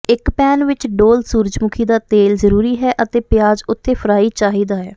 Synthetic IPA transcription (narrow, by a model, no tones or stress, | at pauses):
ɪkpɛːnʋɪt͡ʃɖoːlsuːɾd͡ʒmʊkʰiːd̪aːt̪eːlzəɾuːɾiːɦɛːʔət̪eːpjaːzʊt̪ʰːeːpʰəɾaːiːt͡ʃaːɦiːd̪aːɦɛ̰ː